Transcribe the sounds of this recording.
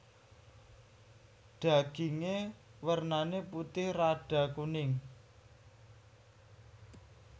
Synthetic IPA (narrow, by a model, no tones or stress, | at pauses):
ɖ̥a̤ɡ̥iŋewərnaneput̪ɪhraɖ̥a̤kunɪŋ